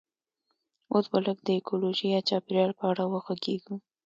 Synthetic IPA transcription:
osbaləɡd̪əekoloʒiat͡ʃɑpɪɾjɑɽpəaɽawəxwaɡeɡu

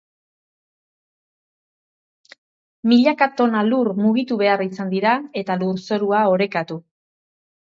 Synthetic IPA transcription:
miʎakat̪o̞naluɾmuɣit̪uβe̞arisand̪iɾae̞t̪aluɾso̞ɾuao̞ɾe̞kat̪u

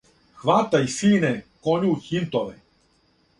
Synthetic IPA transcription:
xʋat̪aisiːnɛkoɲuçint̪oʋɛ

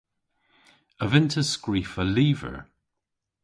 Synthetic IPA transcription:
əvɪntʰəskɹiːfəliːvə̰ɹ

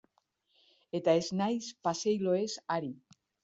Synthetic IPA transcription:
et̪aeznajspasejloesaɾi

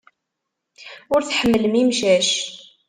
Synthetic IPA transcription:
ʊɾθħəmːələmimʃæʃ

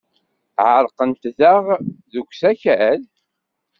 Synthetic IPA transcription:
ʕəɾˤqənt̪ðəʁðukʷːsæçæl

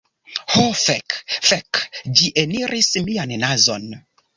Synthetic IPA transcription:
hofekfɛkd͡ʒiʔeniɾʔismianːazon

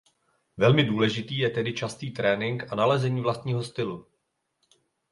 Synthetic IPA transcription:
vɛlmɪduːlɛʒɪt̪iːjɛt̪ɛdɪt͡ʃast̪iːt̪ɾɛːnɪŋkʔanalɛzɛɲiːvlast̪̚ɲiːɦo̞st̪ɪlu

